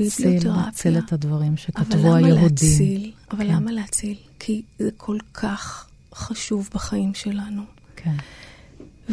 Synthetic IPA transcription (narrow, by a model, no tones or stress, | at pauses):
ibloilat͡silet̪hadvɐʁimʃeʔkatvavluajeɦud̪iilʔavalːamalehat͡sil | kʰizekʰolkʰaχː | aʃuvbaχaimʃelanu | kʰen | v